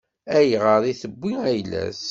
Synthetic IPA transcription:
æjʁəɾˤiθəbʷːiæjlæ̰s

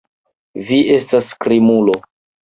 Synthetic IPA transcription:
viʔe̞staskɾimulo

